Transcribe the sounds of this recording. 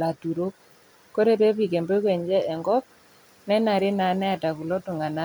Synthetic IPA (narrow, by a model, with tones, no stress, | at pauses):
la˨tu˨ɾo˦k | kːo˦ɾe˦pe˦pi˨ke˨mbe˦kwe˨ɲd͡ʒɛ˦ʔɛ˨ŋɡɔ˦p̚ | nɛ˦na˨ɾi˦na˨nɛ˦a˨ta˨vu˨lo˦tu˨ŋa˨na˦